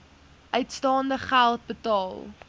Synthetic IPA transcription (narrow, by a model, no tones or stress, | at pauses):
ʔœɥtstɑːndəχælˠt̚bətɑːlˠ